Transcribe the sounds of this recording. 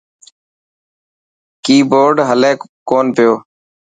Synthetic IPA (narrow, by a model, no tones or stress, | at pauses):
kiːboːɾɖɦəleːkkoːnpɪjoː